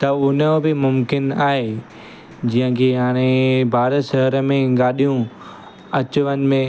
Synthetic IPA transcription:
t̪ɐʊnəbɪmʊmkɪnaːɦe | d͡ʑĩːɦə̃kʰeɦaːɽ̃ebʱaːɾət̪ʃɐɦəɾəmẽɠaːɗijũ | ɐt͡ɕʊʋənɪ̆mẽ

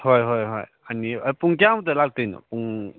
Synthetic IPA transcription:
hojɦɔjɦɔ̰j | aniapuŋk̬ijamdɐlak̚dijnɐ̰puŋ

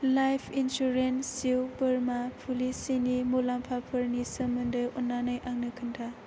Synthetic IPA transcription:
lajpʰinsuɾensiwbɯɾmapʰulisinimolampʰapʰɯɾnisəmɯndɯjɔnːanajʔaŋnɯkʰɯntʰa

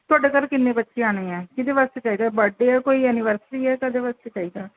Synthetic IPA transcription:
t̪ʊaːɖeːkəɾkɪnːẽːbətːʃeːaːɽ̃eːɛ̃ːkɪd̪eːʋast̪et͡ʃaːiːd̪aːbəɖeːɛːkoːiːənɪʋəɾsɪʈiːɛːkəd̪eːʋast̪et͡ʃaːiːd̪aː

